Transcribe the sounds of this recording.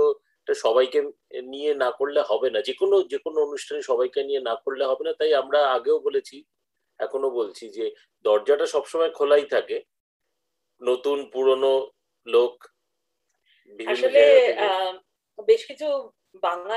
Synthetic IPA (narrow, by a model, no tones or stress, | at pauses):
o | ʈaʃɔbajke | nienakoɽleɦɔbenad͡ʑekonod͡ʑekonoonuʃʈʰaniʃɔβajkenienakoɽleɦɔbenat̪ajamɾaaɡeobolet͡ɕʰi | ɛkʰonobolt͡ɕʰid͡ʑe | d̪ɔɾd͡ʑaʈaʃɔbʃomaekʰolajt̪ʰake | not̪unpuɾono | lok | biaiʃole | beʃkit͡ɕʰu | baŋla